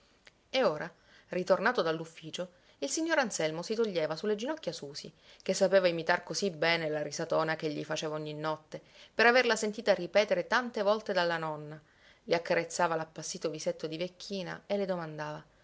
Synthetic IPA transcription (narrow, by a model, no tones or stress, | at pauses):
eoːɾʔa | rit̪ornaːt̪od̪alːufːiːt͡ʃo | ilsiɲːoːɾansɛlmosit̪oʎːeːvasulːed͡ʒinɔkːjasuːsikesːapeːvaimit̪arkosibɛːnelaɾisat̪oːnakeʎːḭfat͡ʃeːvaoɲːinːɔt̪ːepeɾaverlasent̪iːt̪aripɛːt̪eɾet̪ant̪evɔlt̪ed̪alːanɔnːa | leakːaɾet̪sːaːvalapːasːiːt̪oviset̪ːod̪ivekʰːiːna̰elːed̪omand̪aːva